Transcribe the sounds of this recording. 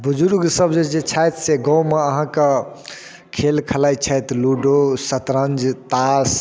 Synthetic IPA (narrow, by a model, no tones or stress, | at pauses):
bud͡ʒuɾɡsəbd͡ʒed͡ʒet͡ʃʰajt̪seɡɔ̃wmeəɦãkə | kʰelkʰəlajt͡ʃʰajt̪luɖosət̪ɾə̃nd͡ʒt̪as